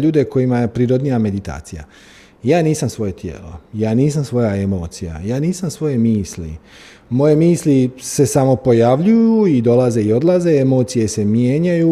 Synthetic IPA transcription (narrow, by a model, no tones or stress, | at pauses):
ʎuːd̪e̞ko̞jimaje̞pɾiːɾo̞d̪nijame̞d̪it̪a̰ːt̪sija̰ | jaːniːsamsʋo̞je̞t̪jḛːlo̞jaːniːs̬amsʋo̞jae̞mo̞ːt̪sija̰jaːniːsamsʋo̞je̞miːslḭ | mo̞je̞miːslise̞samo̞po̞jaʋʎujuid̪o̞laze̞io̞d̪lˠaze̞emo̞ːt̪sije̞se̞mjeːɲaju